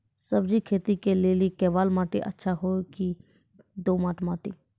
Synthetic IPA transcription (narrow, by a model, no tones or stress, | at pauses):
səbd͡ʒikʰeːt̪ikeleːlikɛːʋaːlmaːʈḛʔə̰tːʃʰaɦoki | d̪oːmaːʈmaːʈi